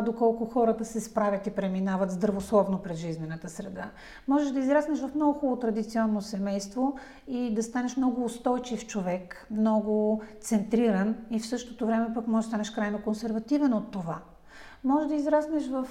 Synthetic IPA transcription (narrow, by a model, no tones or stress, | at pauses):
d̪okɔlˠkʊxɔɾət̪ɐsɛspɾavʲjət̪ipɾɛminavət̪zd̪ɾɐvoslˠɔvnopɾɛzʒiznɛnət̪əsɾɛd̪a | mɔʒɛʒd̪ɐizɾasnɛʃvɐfmnɔɡʊxɔlˠot̪ɾɐd̪it̪siɔnːosɛmɛjst̪vo | id̪ɐst̪anɛʃmnɔɡʊːst̪ɔjt͡ʃift͡ʃovɛkmnɔɡʊt̪sɛnt̪ɾiɾɐnifsɤʃt̪ot̪ovɾɛmɛpakmɔʒɛd̪t̪anɛʃkɾajnokonsɛɾvɐt̪ivɛnot̪ːova | mɔʒɛʒd̪ɐizɾasnɛʃvɐf